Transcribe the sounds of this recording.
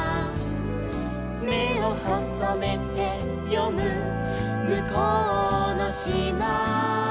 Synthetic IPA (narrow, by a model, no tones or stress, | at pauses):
meohɔsamet̪e | pjomɯ | mɯkɔnaɕima